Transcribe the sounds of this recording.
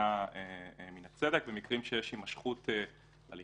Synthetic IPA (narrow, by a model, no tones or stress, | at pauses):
aeminat͡sedek̚bemikʁimʃejeʃimaʃχutʰe | a̰li